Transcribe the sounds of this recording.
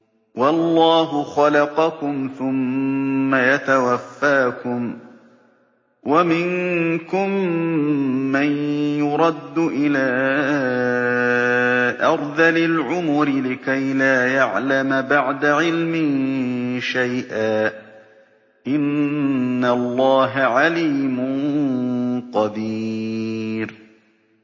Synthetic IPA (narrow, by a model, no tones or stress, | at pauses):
wɑlˤːɑːɦʊxɑlɑqɑkʊmθʊmː | ajat̪awafːaːkʊm | wamɪŋkʊm | anjʊɾˤɑd̪ːʊʔɪlaː | ʔɑɾˤðalɪlʕʊmʊɾɪlɪkajlaːjaʕlamabaʕd̪aʕɪlmɪ | ʃajʔaː | ʔɪnː | alˤːɑːɦaʕaliːmʊ | qɑd̪i | ɾ